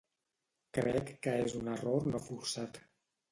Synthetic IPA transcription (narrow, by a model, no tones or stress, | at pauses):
kɾɛ̰kːəezunəroɾnofuɾsat̪